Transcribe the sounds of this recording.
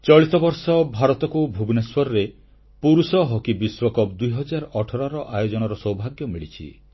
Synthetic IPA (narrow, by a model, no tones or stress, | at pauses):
t͡ʃɔɭit̪ɔbɔɾsɔbʱaɾɔt̪ɔkubʱubneswɔɾɔɾe | puɾusɔɦɔkibiswɔkɔpd̪ujɦɔd͡ʒaɾɔʔɔʈʰɔɾaɾɔʔajod͡ʒɔnɔɾɔsɔwbʱaɡjɔmiɭit͡ʃʰḭ